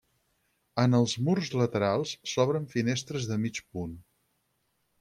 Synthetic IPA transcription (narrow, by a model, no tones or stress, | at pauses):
ənəlˠzmurzlət̪əɾalˠsːɔβɾəɱfinest̪ɾəzðəmit͡ʃpun